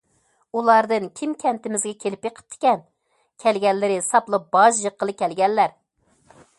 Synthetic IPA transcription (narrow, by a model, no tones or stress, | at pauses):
ulˠɑɾd̪ɨŋkʲʰimkʲʰɛnt̪ɪmɪzɡʲɛkʲʰelɪpjeqʰə̥p̚t̪ʰːɪ̥kʲɛn | kʲʰɛlɡʲɛllɪɾɪsɑplˠɨp̚b̥ɑʒjəqːəlˠɨkʲʰɛlɡʲɛnlæɾ